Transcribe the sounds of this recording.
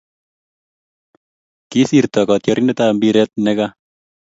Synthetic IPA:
kisiɾt̪ɔkɔt̪jɔɾʔinet̪ambiɾɛt̪̚nɛka

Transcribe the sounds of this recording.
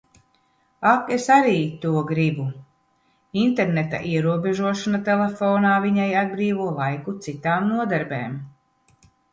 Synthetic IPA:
akesaɾiːt̪uɔɡɾibu | int̪eɾnet̪a̰ʔiɛɾuɔbeʒuɔʃanat̪elefɔːnaːviɲajad̪̚bɾiːvuɔlˠajkut̪sit̪aːmnuɔd̪aɾbḛːm

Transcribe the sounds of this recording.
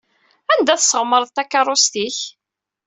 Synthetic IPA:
ænd̪æθsəʁməɾˤðt̪ːækːɑrˤost̪iç

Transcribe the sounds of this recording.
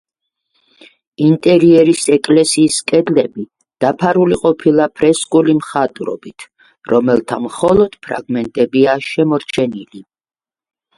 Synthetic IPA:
int̪ʼɛɾiɛɾisɛkʼlɛsiːskʼɛd̪lɛbi | d̪̥apʰaɾuliqʼɔpʰilˠapʰɾɛskʼulimχat̪ʼɾɔ̰bit̪ʰ | ɾɔmɛlˠt̪ʰamχɔlˠɔd̪̥pʰɾa̰ɡmɛnt̪ʼɛbiaʃɛmɔɾt͡ʃʰɛnili

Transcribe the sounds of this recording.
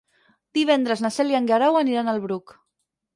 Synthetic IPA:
d̪̥iβ̞ɛnd̪ɾəznasɛljaŋɡaɾawəniɾanəlˠβɾuk

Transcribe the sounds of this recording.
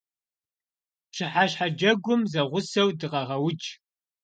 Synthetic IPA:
ɕɪħaɕħad͡ʒɐɡʷʊmzɐʁʷʊsɐwdɨqɐʁɐwʊt͡ʃ

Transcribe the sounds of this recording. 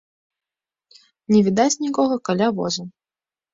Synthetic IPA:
nʲɛvʲid̪at͡sʲnʲikɔɣɐkalʲavɔ̰zɐ

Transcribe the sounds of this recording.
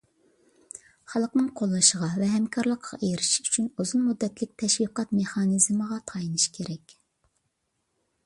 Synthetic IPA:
χɑlˠəqnɨŋqʰolˠːɨʃəʁɑvɛɦɛmkʰɑɾlˠəqʰːɑ̰ʔejɾɪʃyt͡ʃʰynuzunmud̪ːɛt̪lɪk̚ʲt̪ʰɛʃwiqɑt̪̚meχɑnɨzməʁɑt̪ʰɑjinɨʃkʲʰeɾɛkʲ

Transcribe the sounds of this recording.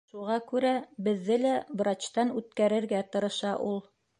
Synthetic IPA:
ʃuʁɑkʉɾæbɘ̆ðːɘlæbɾɑt͡ɕt̪ɑnʉt̪kæɾɘ̆ɾɡæt̪ɤ̆ɾɤ̆ʃɑʔulˠ

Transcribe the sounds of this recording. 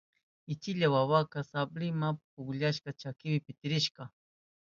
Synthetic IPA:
ɪt͡ʃɪʎawawakasablɪmap̚ʊɡʎaʃkat͡ʃakɪwɪpɪt̪ɪɾɪʃka

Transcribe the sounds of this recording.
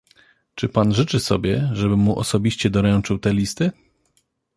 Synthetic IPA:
t͡ʂɘpanʐɘt͡ʂɘsɔbʲjɛʐɛbɘmuʔɔ̰sɔbʲiɕt͡ɕɛd̪ɔɾɛnt͡ʂɘwt̪ɛlʲist̪ɘ

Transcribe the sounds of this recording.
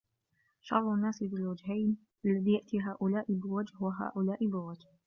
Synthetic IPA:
ʃɑɾˤlanːaːsɪd̪lwad͡ʒɦajn | ʔalːaðiːjaʔt̪iːɦaːʔʊlaːʔɪbɪwad͡ʒhhʊwaɦa̰ːʔʊlaːʔɪbɪwad͡ʒh

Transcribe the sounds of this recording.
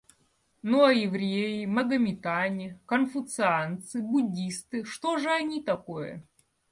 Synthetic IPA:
nuɐjɪvɾʲejɪmɐɡɐmʲɪt̪anʲɪkɐnfʊt̪sɨant̪sɨbʊdʲist̪ɨʂt̪oʐɨɐnʲit̪ɐkojə̰

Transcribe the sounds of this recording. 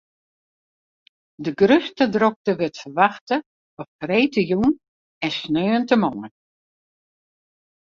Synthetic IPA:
dəɡrøstədrok̚təʋɪtfəʋaxtə | ɔpfreːtəjun | ɛnsnøːntəmɔːən

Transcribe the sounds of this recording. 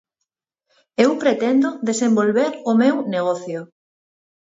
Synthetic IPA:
ewpɾet̪end̪oðesẽmbolβeɾʊmewneɣ̞ɔθjo

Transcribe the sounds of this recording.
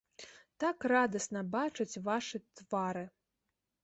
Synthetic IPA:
t̪akrad̪ɐsnɐbat͡ʂɨt͡sʲvaʂɨt̪vaɾɨ

